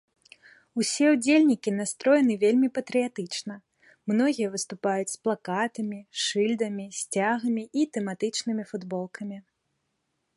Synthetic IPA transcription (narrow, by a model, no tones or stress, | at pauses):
usʲɛud͡zʲelʲnʲikʲinast̪ɾɔjɛnɨvʲelʲmʲipɐt̪ɾɨjat̪ɨt͡ʂnɐ | mnɔɣʲijɛɐvɨst̪upajut͡sʲsplˠakat̪ɐmʲiʂɨlʲd̪ɐmʲisʲt͡sʲaɣɐmʲiʔit̪ɛmat̪ɨt͡ʂnɨmʲifud̪bɔlˠkɐmʲi